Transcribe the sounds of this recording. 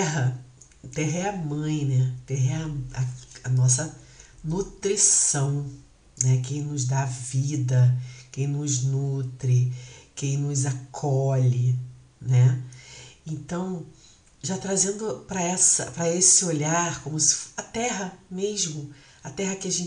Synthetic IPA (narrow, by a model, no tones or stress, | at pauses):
ɛɦɐ | t̪ɛɦɐɛɐmɐ̃j̃nɛt̪ɛɦɐɛɐɐɐnɔsɐnut̪ɾisɐ̃w̃ | nɛkẽj̃nʊzd̪avid̪ɐkẽj̃nʊznut̪ɾɪkẽj̃nʊzakʰɔʎɪ | nɛ | ẽnt̪ɐ̃w̃ | ʒat̪ɾazẽnd̪ʊpɾɐɛsɐ̰pɾɐesɪoʎaɾkõmʊsɪ̥ɐt̪ɛɦɐmeʒmʊ | ɐt̪ɛɦɐkɪaʒẽn